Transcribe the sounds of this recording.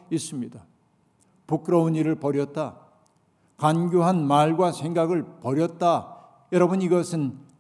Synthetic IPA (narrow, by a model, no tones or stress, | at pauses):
is͈ɯmɲida | puk͈ɾʌuniɾɯɭpʌɾjʌt̚t͈a | kanɡjuɦanmaɭɡwasʰe̞ŋɡaɡɯɭpʌɾjʌt̚t͈a | jʌɾʌbɯniɡʌsʰɯn